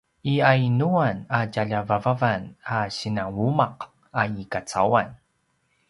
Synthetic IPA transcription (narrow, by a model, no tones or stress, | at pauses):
ʔiajnuanacaʎavavavanaɕinaŋwumaq | aikat͡sawan